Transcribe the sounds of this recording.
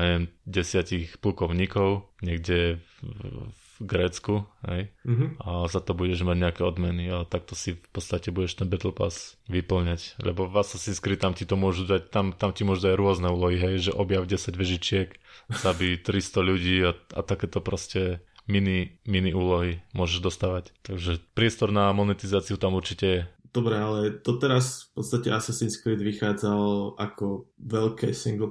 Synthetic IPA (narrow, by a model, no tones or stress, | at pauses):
ɲɛʋɛmɟɛsɪacixplukɔʊɲiːkɔʊɲɛɡɟɛ | ɡɾɛːt͡skuɦɛ̰jazat̪ɔbuɟɛʒmaɟɲɛakɛːɔd̪mɛniat̪ak̚t̪ɔsifpɔtt͡st̪acɛbuɟɛʃt̪ɛnbɛt̪l̩pa̰sʋipl̩ɲaclɛ̰bɔʋasasiskɾit̪amcit̪ɔmʊɔʒud̪act̪amt̪amcimʊɔʒud̪aɟɾʊɔznɛuːlɔɦiɦɛjʒɛʔɔbjaʊɟɛsaɟʋɛʒit͡ʃɪɛkz̥abit̪ɾist̪ɔʎuɟiːaa̰t̪akɛːt̪ɔpɾɔscɛminiminiuːlɔɦimʊɔʒɛʒd̪ɔst̪aːʋact̪aɡʒɛpɾɪɛst̪ɔɾnamɔnɛt̪izaːt͡siut̪amuɾt͡ʃicɛjɛd̪̥ɔbɾɛalɛd̪̥ɔt̪ɛɾasfpɔt̪st̪acɛ̰asasinskɾid̪ʋixaːd͡zalakɔʋɛlkɛ̰ːsiŋɡl̩